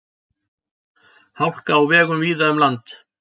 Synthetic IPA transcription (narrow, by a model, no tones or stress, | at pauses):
hawl̥kaːwvɛːɣʏmviːðaʏmlant̪